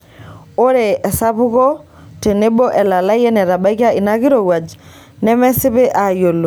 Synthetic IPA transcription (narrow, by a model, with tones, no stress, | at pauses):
o˦ɾe˨ɛ˨sa˦βu˦ɣɔ˦ | te˨ne˦bo˦ʔɛ˨la˨la˦i˦ɛ˦nɛ˨ɾa˨ba˦i˦ɣa˦i˨na˦ɣi˦ɾo˨ɣwa˨d͡ʒi̥ | nɛ˦mɛ˦si˦βe˦ʔa˨jo˨lo˨